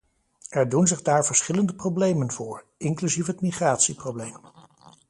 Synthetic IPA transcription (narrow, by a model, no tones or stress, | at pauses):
ɛɹdunzɪχdaːɹvəɹsχɪləndəprowblejmənvʊːɹ | ɪŋklyzifɦətmiχraːtsiprowblejm